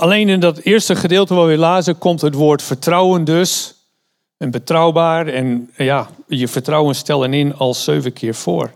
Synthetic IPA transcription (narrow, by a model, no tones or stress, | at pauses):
alejnɪndɔtɪəɹstəχədɪːlˠtəʋaʋɪlaːzəkɔmtɦətʋoːɹtfəɹtrɔwəndøs | ənbətrɔwbaːɹɛnjajəfəɹtrɔwənstɛlˠənɪnɔlˠsøːvəkʰɪːɹfoːɹ